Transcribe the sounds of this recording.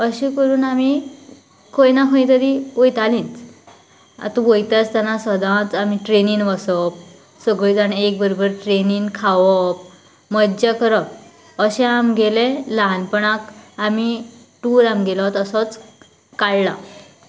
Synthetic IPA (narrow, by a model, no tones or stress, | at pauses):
əɕikəɾuːnami | kʰojnakʰõĩt̪əɾiojt̪alĩnt͡s | a̰t̪uʋojt̪at͡st̪anasəd̪ãt͡samiʈɾeniːnʋasɔp̚ | səɡɭid͡zanek̚bəɾobəɾʈɾeninkʰaʋɔp̚ | məd͡ʑakəɾɔp | əɕɛ̃amɡelẽlanpəɳakami | ʈuɾamɡelɔt̪əsɔt͡s | kaɭla̰